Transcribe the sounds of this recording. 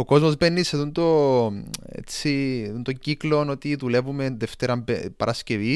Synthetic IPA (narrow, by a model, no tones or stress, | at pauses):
o̞ko̞zmozbenːiseðond̪o̞ | ḛt͡siðond̪o̞ɲɟiklo̞no̞t̪iðule̞vume̞nðeft̪e̞ɾɐmbepɐɾʔɐsce̞vi